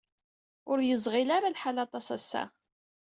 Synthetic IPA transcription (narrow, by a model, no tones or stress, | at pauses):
ʊɾjəzˤʁɪlaɾalħalɑt̪ˤɑsæsːæ̰